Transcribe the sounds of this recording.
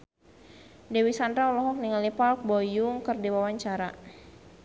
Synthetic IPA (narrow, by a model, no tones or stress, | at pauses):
dewisandɾaulɔɦɔk̚niŋalipalk̚bɔjʊŋkərdiwawaɲt͡ʃaɾa